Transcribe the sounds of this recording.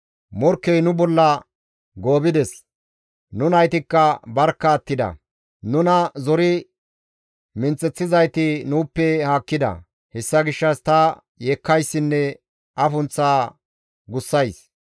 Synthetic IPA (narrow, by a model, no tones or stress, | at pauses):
mɔɾkːɛjnʊbɔlːɐ | ɡoːbɪd̪ɛs | nʊnɐjt̪ɪkːɐbɐɾkːɐːt̪ːɪd̪ɐ̰ | nʊnɐzɔɾɪ | mɪnt͡sʼːɛt͡sːɪzɐjt̪ɪnuːpːɛhaːkːɪd̪ɐ̰ | hɛsːɐɡɪʃːɐst̪ɐ | jeːkːɐjsːɪnːɛ | ʔɐfʊnt͡sːaː | ɡʊsːɐjs